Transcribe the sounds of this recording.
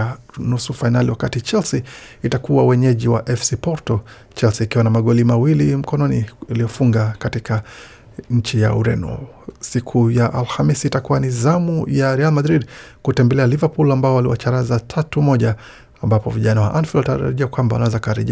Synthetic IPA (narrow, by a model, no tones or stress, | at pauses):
nusufainaliwakatit͡ʃɛlsiːtakuwawɛɲɛʄiwa̰ʔɛfsipɔɾtɔ | t͡ʃɛlsiːkiwanamaɠɔlimawilim̩kɔnɔnialiɔfuŋɡakatikʰa | ɲ̩t͡ʃijauɾɛ̰nɔ̰ | sikʰujaʔalhamisiːtakuwanizamujaɾɛalmadɾidkutɛmbɛlɛalivapulambaɔwaliwa̰t͡ʃaɾazatʰatumɔʄaː | mbapɔviʄanawa̰ʔanfɛlɔtaɾa̰ɾa̰ʄiakwambawa̰nawɛzakaɾɛ̰ʄi